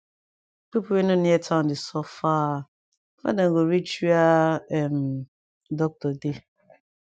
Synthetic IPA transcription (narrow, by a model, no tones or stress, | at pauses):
pipuwenoniɛtʰaʊ̃ndɪsɔfa | fa̰daŋɡoɾit͡ʃiaɛm̩ | dɔk̚tɔde